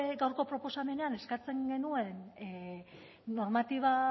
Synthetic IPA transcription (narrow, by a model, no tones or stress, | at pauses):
ɡawɾko̞pɾo̞po̞same̞ne̞ane̞skat͡se̞ŋɡe̞nue̞n | o̞ɾmat̪iβ̞a